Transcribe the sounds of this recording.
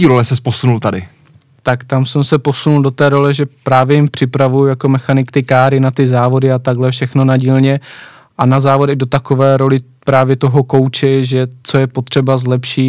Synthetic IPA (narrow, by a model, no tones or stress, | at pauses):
iːɾolɛsɛsposunult̪adɪ̰ | t̪akt̪amsɛmsɛpo̞sunuldo̞t̪ɛːɾo̞lɛʒɛpɾaːvjɛjɪmpr̝̥ɪpɾavujujako̞mɛxanɪkt̪ɪkaːɾɪnat̪ɪzaːvo̞dɪat̪aɡlɛfʃɛxno̞naɟiːlɲɛ | ʔanazaːvo̞dɛɣdot̪akovɛːɾo̞lɪ | pɾaːvjɛt̪o̞ɦo̞ko̞wt͡ʃɛʒɛt͡so̞jɛpo̞t̪r̝̥ɛbazlɛpʃɪ